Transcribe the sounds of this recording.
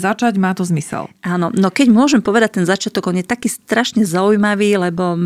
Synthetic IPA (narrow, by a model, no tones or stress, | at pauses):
zat͡ʃaɟmaːt̪ɔzmisɛ̰lʔaːnɔnɔkɛɟmʊɔʒɛmpɔʋɛd̪ac̚t̪ɛnzat͡ʃɪat̪ɔɡɔnjɛt̪akiːst̪ɾaʃɲɛzaujmaʋiːlɛbɔ